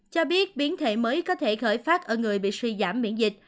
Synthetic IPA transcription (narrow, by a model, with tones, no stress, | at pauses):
t͡ɕɔ˧ɓi˦˥ət̚ɓi˨˦ənt̪ʰḛ˧˩məː˨˦jkɔ˨˦t̪ʰe˧˩xəː˧˩jfaː˦˥t̚ʔəː˧˩ŋɨ˨˩əjɓḭ˧˨swi˧za̰ː˧˩mɓḭ˧˥ənzï˨˩k̟̚